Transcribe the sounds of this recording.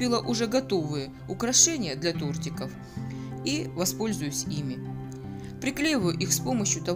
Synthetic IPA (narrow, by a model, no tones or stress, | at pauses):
ilˠəʔʊʐɛɡɐt̪o̞vɨjə | ʊkɾɐʂɛnʲɪjəd̪lʲɐt̪ort̪ʲɪkəf | ivɐspo̞lʲzʊjʊsʲimʲɪ | pɾʲɪklʲejɪvəjʊʔixspo̞məɕjʊt̪ɐ